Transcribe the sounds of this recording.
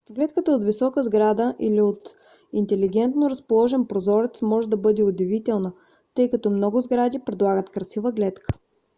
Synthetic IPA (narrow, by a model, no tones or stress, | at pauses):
ɡlɛt̪kət̪əot̪visɔkəzɡɾad̪əʔiliot̪ | int̪ɛliɡɛnt̪noɾɐspolˠɔʒɛnpɾozɔɾɛt̪smɔʒɛd̪ɐbɤd̪ɛod̪ɛvit̪ɛlˠnə | t̪ɤjkɐt̪ɔmnɔɡʊzɡɾad̪ʲipɾɛd̪lˠaɡət̪kɾɐsivəɡlɛt̪kʰə̥